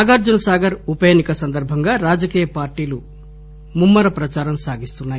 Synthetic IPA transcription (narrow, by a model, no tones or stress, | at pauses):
aɡaːɾd͡ʒunɐsaːɡɐɾupɐjeːnikɐsɐnd̪ɐɾbʱɐŋɡaːɾaːd͡ʒɐkiːjɐpaːɾʈiːlu | mumːɐɾɐpɾɐt͡ʃaːɾɐmsaːɡist̪unːaːji